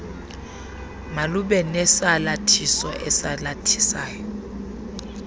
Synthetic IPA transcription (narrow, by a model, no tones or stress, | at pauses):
maluɓɛnɛsalatʰisɔʔɛsalatʰi̥saːjɔ